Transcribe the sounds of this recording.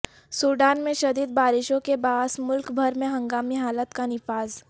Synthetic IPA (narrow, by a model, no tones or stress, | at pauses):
suːɖaːnmẽʃɐd̪iːd̪baːɾɪʃõkebaːsmʊlkbʱɐɾmẽɦɐ̃ŋɡaːmiɦaːlət̪kanɪfaːz